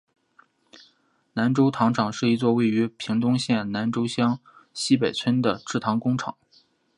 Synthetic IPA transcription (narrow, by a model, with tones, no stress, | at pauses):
na˧˥nʈ͡ʂo˥ʊt̪ʰɑ˧˥ŋʈ͡ʂʰɑ˨˩˦ŋʂɻ̩˥˩i˧˥t͡swɔ˥˧we˥˩ɪy˧˥pʰi˧˥ŋt̪ʊ˥ŋɕjɛ˥˩nna˧˥nʈ͡ʂo˥ʊɕjɑ˥ŋɕi˥p̬e˨˩ɪt͡sʰə˥nd̪ə˨ʈ͡ʂɻ̩˥˩t̪ʰɑ˧˥ŋkʊ˥ŋʈ͡ʂʰɑ̰˨˩˦ŋ